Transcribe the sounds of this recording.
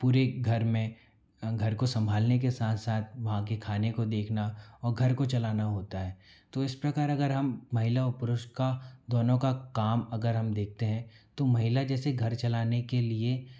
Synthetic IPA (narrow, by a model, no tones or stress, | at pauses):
puːɾeɡʱɐɾmẽ | ɡʱɐɾkosɐ̃mbʱaːlnek̬esaːt̪ʰsaːt̪̚ʰʋɐɦãkekʰaːnekod̪eːkʰnaɔːɾɡʱɐɾkot͡ʃɐlaːnaɦoːt̪aɦɛːt̪oɪspɾɐkaːɾɐɡəɾɦɐmːɐɦɪlaɔɾpʊɾʊʃʈkad̪ɔːnõkakaːmɐɡəɾɦɐmd̪eːk̚ʰt̪eɦɛ̃t̪omɐɦɪlad͡ʒɛːseɡʱɐɾt͡ʃɐlaːnekelie